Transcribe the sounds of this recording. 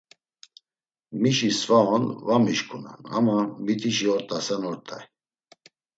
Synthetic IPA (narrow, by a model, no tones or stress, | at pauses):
miʃisvaɔnvamiʃkʰʼunɛ̰na̰mamit̪ʼiʃiɔɾt̪ʼasɛnɔɾt̪ʼɛj